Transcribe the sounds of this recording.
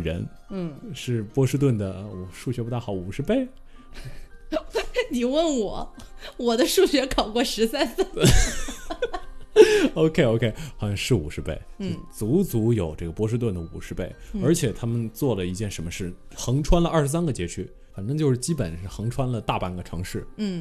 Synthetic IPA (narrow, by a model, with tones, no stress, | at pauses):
ɻə̰˧˥n | n̩˥˩ʂɻ̩˥˩pwɔ˥ʂɻ̩˥t̪̬wə˥˩nd̪ə˩˨˩ʂu˥˩ɕɥɛ˧˥pu˧˥t̪a˥˩ɑ˨˧˥ʊu˨˩ʂɻ̩˧˥pe˥˩ɪ | ni˨˩wə˥˩nwɔ˨˩˦wɔ˨˩d̪ə˦ʂu˥˩ɕɥɛ˧˥kʰɑ˨˩ʊkwɔ˥˧˩ʂɻ̩˧˥sa˥nsə˥˩˥ | o˧ʊkʰe˥ɪo˧ʊkʰe˥ɪxwɑ˧˥ɕɑ˥˧ŋʂɻ̩˥˩ṵ˨˩ʂɻ̩˧˥pe˥˩ɪ˥˧˩t͡su˧˥t͡su˧˥jo˨˩ʊʈ͡ʂɤ˥˩ɡə˩pwɔ˥ʂ̬ɻ̩˥t̪̬wə˥˩nd̪ə˩ṵ˨˩ʂɻ̩˧˥pe˥˩ɪə˞˧˥t͡ɕʰjɛ˨˩t̪ʰa˥mə˨nt͡swɔ˥˩lə˩i˧˥t͡ɕjɛ˥˩nʂə˧˥nmə˧ʂɻ̩˥˩xɤ˧˥ŋʈ͡ʂʰwa˥nlə˧ʔɐ˞˥˩ʂɻ̩˧˥s̬a˥nɡə˨t͡ɕjɛ˧˥t͡ɕʰy˥ | fa˨˩nʈ͡ʂɤ˥ŋt͡ɕjʂɻ̩˥˩t͡ɕi˥pə̰˨˩n̩˥˩xɤ˧˥ŋʈ͡ʂʰwa˥nlə˨t̪a˥˧pa˥˩nɡə˨ʈ͡ʂʰɤ˧˥ŋʂɻ̩˥˩n̩˥˩